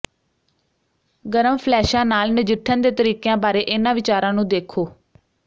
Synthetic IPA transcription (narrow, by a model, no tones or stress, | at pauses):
ɡəɾəmpʰlɛːʃãːnaːlnɪd͡ʒɪʈʰːənd̪eːt̪əɾiːkejãːbaːɾeːʔɪnãːʋɪt͡ʃaːɾãːnũːd̪eːkʰoː